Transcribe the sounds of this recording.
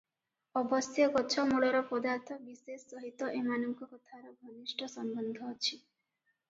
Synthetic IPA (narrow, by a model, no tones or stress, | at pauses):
ɔbɔsjɔkɔt͡ʃʰɔmuɭɔɾɔpɔd̪aɾt̪ʰɔbisesːɔɦit̪ɔʔemanɔŋkɔkɔt̪ʰaɾɔɡʱɔnisʈʰɔsɔmbɔnd̪ʱɔːt͡ʃʰi